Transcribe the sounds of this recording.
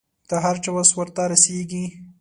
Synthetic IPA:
d̪̥əɦaɾt͡ʃewaswəɾt̪aɾaseɡi

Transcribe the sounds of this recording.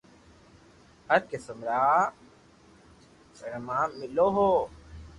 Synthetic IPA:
hɐɾkesəmɾaː | səɾmaːmːɪloːɦoː

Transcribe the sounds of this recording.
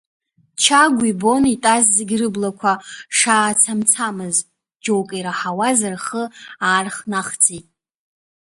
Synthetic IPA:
t͡ʃʰaɡʷibo̞nitʼazzɨɡʲrɨblakʷʰaʂaːt͡sʰamt͡sʰamɨz | d͡ʒo̞wkʼajɾaħawazarχəaːrχnaχt͡sʼitʼ

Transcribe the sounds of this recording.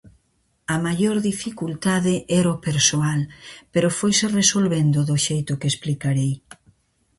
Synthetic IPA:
ɐmajoɾðifikult̪aðɪʔɛɾopeɾsoalpeɾʊfojseresolβend̪oðʊʃejt̪ʊkesplikaɾej

